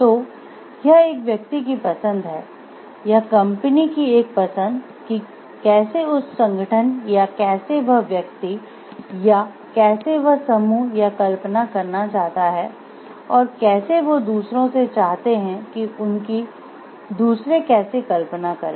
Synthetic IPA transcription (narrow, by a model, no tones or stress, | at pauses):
t̪oː | jɐɦeːkʋjɐk̚t̪ik̬ipɐsə̃nd̪ɦɛː | jakɐ̃mpənikieːk̚pɐsə̃nd̪ | ki | kɛːseʊssɐ̃ŋɡəʈʰənjakɛːseʋɐɦʋjɐk̚t̪i | ja | kɛːseʋɐɦsɐmuːjakɐlpnakɐɾnat͡ʃaːɦt̪aɦɛː | ɔːɾkɛːseʋod̪uːsɾõset͡ʃaːɦt̪eɦɛ̃kiʊnki | d̪uːsɾekɛːsekɐlpnakɐɾẽː